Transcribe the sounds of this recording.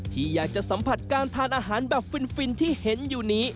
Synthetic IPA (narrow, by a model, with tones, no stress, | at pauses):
t̪ʰiː˥˩jaː˨˩k̚t͡ɕa˨˩ʔsa˩˦mpʰa˨˩t̪̚kaː˧nt̪ʰaː˧nʔaː˧ɦaː˩˦nbɛː˨˩p̚fi˧nfi˧nt̪ʰiː˥˩he˨˩˦njuː˨˩niː˦˥